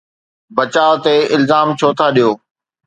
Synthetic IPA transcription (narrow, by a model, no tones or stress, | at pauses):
bɐt͡ɕaːt̪eɪlzaːmt͡ɕʰoːt̪ʰaɗijoː